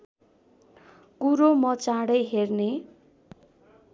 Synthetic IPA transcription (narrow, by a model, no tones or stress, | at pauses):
kuɾomʌt͡saɽʌjɦerne